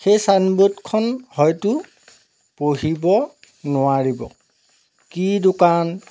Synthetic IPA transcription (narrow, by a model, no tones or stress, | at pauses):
xejsanbutkʰɔnhɔjtʊ | poɦibɔ | nʊaɹibɔ̰ | kidʊkan